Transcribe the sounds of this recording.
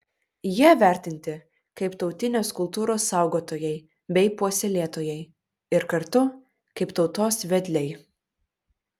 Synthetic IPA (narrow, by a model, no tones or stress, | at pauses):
jiɛʋʲæˑɾʲt̪ʲɪnʲt̪ʲɪ | kɐɪpt̪ɒʊt̪ʲɪnʲoːskʊlˠt̪uːɾoːsːɑˑʊɡoːt̪oːjɛɪ | bʲɛɪpuɔsʲɛlʲeːt̪oːjɛɪ | ɪɾkɐɾt̪ʊ | kɐɪpt̪ɒʊt̪oːsʋʲɛd̪ʲlʲɛɪ